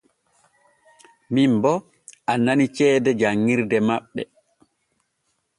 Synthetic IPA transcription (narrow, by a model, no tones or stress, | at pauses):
mimbɔ | ʔananit͡ʃɛːdɛd͡ʒaŋːiɾdɛmaɓːɛ